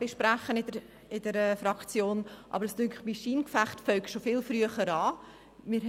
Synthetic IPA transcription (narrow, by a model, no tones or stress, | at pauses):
b̥ɪʃpɾaχənɪd | ɪdəɾɛfɾɑkt͡sjoːnʔɑ̰bəɾəsd̥ʏŋkχmiʃiːnkfæχtfœɥkʃofɪlfryəχəɾɑː | mɪɾ